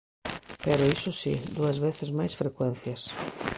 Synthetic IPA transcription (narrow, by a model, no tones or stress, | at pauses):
peɾʊisʊsḭd̪uɐzβeθɪzmajsfɾekwẽn̟θjɐs